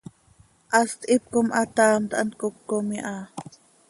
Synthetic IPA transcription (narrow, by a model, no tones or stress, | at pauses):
ʔɑst̪ʔip̚komʔɑt̪ɑːmt̪ʔɑ̰nt̪̚kokːomiʔɑ